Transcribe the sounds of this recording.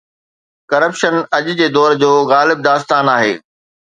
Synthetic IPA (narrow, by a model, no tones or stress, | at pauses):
kɐɾəpʃənɐʄd͡ʑeːd̪ɔːɾd͡ʑoːɣaːlɪb̚d̪aːst̪aːnaːɦḛː